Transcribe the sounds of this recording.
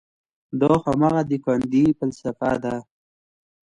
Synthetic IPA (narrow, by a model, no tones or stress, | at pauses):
d̪oxamaɣad̪ikand̪ipəlsafa̰d̪a